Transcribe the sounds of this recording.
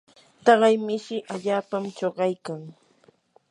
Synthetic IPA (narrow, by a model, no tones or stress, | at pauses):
t̪ɑɢɑjmɪʃɪʔaʎaːpamt͡ʃoɢɑjkaŋ